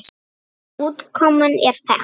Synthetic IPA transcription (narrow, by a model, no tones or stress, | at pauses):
ut̪kʰɔmənɛɾfɛ̰